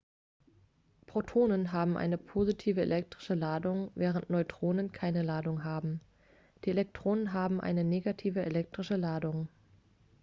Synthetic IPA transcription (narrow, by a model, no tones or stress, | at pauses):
pʁ̥otʰoːnənɦaːbm̩ʔa̰ɪnəpʰoːzitʰiːvəḛlʔɛk̚tʁ̥ɪʃəlaːdʊŋvɛːʁ̞əntnɔʏtʁ̥oːnənkʰaɪnəlaːdʊŋɦaːbm̩ | d̥iːelɛk̚tʁ̥oːnənɦaːbm̩ʔa̰ɪnəneːɡatʰiːvəelɛk̚tʁ̥ɪʃəlaːdʊŋ